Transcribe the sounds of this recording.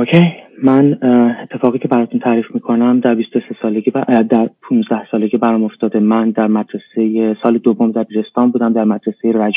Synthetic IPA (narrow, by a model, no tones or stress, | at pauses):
ocʰejmænet̪ʰːe̞fɒːɣiːcʰe̞bæɾɒːt̪ʰunt̪ʰæːɾiːfmiːkʰo̞næmd̪æɾbist̪o̞se̞sɒːleɡid̪æɾpʰũːnzd̪æhsɒːle̞ɡibæɾɒmo̞ft̪ɒːd̪emænd̪æɾmæd̪ɾesejesɒːled̪ovːomd̪æbiːɾe̞st̪ɒːmbuːd̪æmd̪æɾmæd̪ɾesejeɾæd͡ʒ